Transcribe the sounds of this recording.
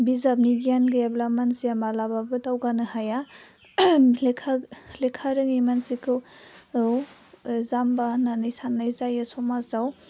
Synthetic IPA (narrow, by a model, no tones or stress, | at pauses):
bizab̚niɡijanɡɯablamansiamalababɯtawɡanɯhaja | lkʰalekʰaɾɯŋijmansikʰɯw | wzambananɯjsanːajzajasɔmazaw